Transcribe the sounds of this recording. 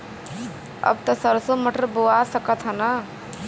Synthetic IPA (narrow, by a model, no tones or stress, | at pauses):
ə̰b̚t̪əsəɾsoməʈəɾboasəkət̪ɦənə